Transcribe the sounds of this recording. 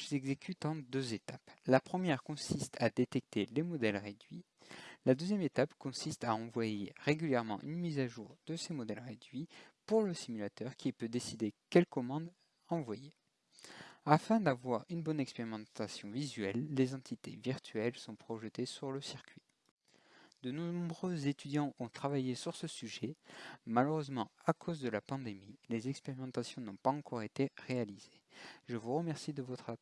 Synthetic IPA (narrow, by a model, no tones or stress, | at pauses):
ɛɡzekʰʲyt̪ɑ̃d̪øzet̪aplapχəmjɛʁkɔ̃sist̪ʰad̪et̪ɛk̚t̪elemɔd̪ɛlʁed̪ɥi | lad̪øzjɛmet̪apkɔ̃sist̪aɑ̃vwajeʁeɡʲyljɛʁmɑ̃ʔynmizaʒuʁd̪̥əsemɔd̪ɛlʁed̪ɥipuʁləsimylat̪œʁkʲipød̪esid̪ekʲɛlkɔmɑ̃d̪ | ɑ̃vwaje | afɛ̃d̪avwaʁynbɔnɛkspeʁimɑ̃t̪asjɔ̃vizɥɛlːezɑ̃t̪ʰit̪ḛviʁt̪ʰɥɛlsɔ̃pχɔʒət̪esyʁləsiʁkʲʰɥi | d̪ənɔ̃bʁøzet̪yd̪jɑ̃ɔ̃t̪χavajesyʁsəsyʒɛmaləʁøzmɑ̃akʰozd̪əlapɑ̃d̪emilezɛkspeʁimɑ̃t̪asjɔ̃nɔ̃paɑ̃kɔʁet̪eʁealiz̥eʒəvuʁəmɛʁsid̪əvɔt̪χa